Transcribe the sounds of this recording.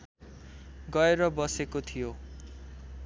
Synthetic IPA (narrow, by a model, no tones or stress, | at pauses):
ɡʌeɾʌbʌsekot̪ʰijo